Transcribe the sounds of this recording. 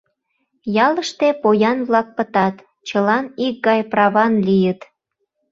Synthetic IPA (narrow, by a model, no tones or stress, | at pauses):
jɑləʃt̪epojɑnβlɑk̚pət̪ɑt̪ | t͡ɕəlɑnik̚ɡɑjprɑβɑnlijət̪